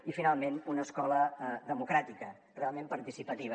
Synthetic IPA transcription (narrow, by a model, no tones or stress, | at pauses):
ifinalˠmenunəskɔləðəmukɾat̪ikə | realˠmempəɾt̪isipət̪iβ̞ə